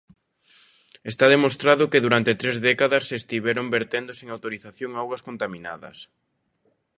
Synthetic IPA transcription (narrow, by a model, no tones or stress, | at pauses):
est̪aðemost̪ɾaðʊkeðuɾant̪et̪ɾezðɛkaðɐsːeːst̪iβɛɾombeɾt̪end̪oseŋawt̪oɾiθaθjoŋawɣɐskont̪amĩna̰ðɐ̰s